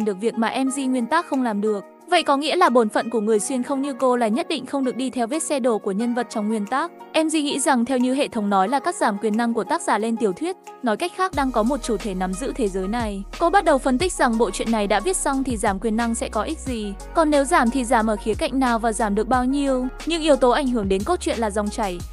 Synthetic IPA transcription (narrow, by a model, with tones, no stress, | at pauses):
ɗɨ˨˩ək̚vi˨˩ək̚maː˨˩ʔɛ˧mzi˧ŋwi˧ənt̪aː˦˥k̚xə˧wŋ͡mlaː˨˩mɗɨ˨˩ək̚ | və̰˧˨jkɔ˨˦ŋḭ˧˥əlaː˨˩ɓo˨˦nfə̰˧˨nku˧˩əŋɨ˨˩əjswi˧ənxə˧wŋ͡mɲɨ˧ko˧laː˨˩ɲə˦˥t̚ɗḭ˧˨ŋ̟xə˧wŋ͡mɗɨ˨˩ək̚ɗi˧t̪ʰɛ˧wvi˦˥t̚sɛ˧ɗo˧˩ku˧˩əɲə˧nvə˨˩t̚t͡ɕɔ˧wŋ͡mŋwi˧ənt̪aː˦˥k̚ʔɛ˧mzi˧ŋḭ˧˥za˨˩ŋt̪ʰɛ˧wɲɨ˧ɦḛ˧˨t̪ʰə˨˦wŋ͡mnɔ˨˦jlaː˨˩kaː˦˥k̚z̥aː˧˩mkwi˨˩ənːa˧ŋku˧˩ət̪aː˦˥k̚saː˧˩le˧nt̪i˨˩əwt̪ʰwi˦˥ət̚nɔ˨˦jka˦˥k̟̚xaː˦˥k̚ɗaː˧ŋkɔ˨˦mo˨˩t̚t͡ɕu˧˩t̪ʰe˧˩na˨˦mzɨ̰˧˥t̪ʰe˨˦zəː˨˦jna˨˩jko˧ɓa˦˥t̚ɗə˨˩wfə˧nt̪ï˦˥k̚za˨˩ŋɓo̰˧˨t͡ɕwḭ˧˨ənːa˨˩jɗa̰ː˧˥vi˦˥ət̚sa˧wŋ͡mt̪ʰi˨˩zaː˧˩mkwi˨˩ənːa˧ŋsɛ̰˧˥kɔ˨˦ʔi˦˥k̚zi˨˩ | kɔ˨˩nːe˨˦wzaː˧˩mt̪ʰi˨˩zaː˧˩mʔəː˧˩xi˨˦əka̰˧˨jŋ̟naː˨˩wvaː˨˩zaː˧˩mɗɨ˨˩ək̚ɓaː˧wɲi˧əwɲɨ̰˧˥ŋʔi˨˧əwt̪o˨˦ʔa˧˩jŋ̟ɦɨ˧˩əŋɗe˨˦nko˦˥t̚t͡ɕwḭ˧˨ənlaː˨˩za˧wŋ͡mt͡ɕa˧˩j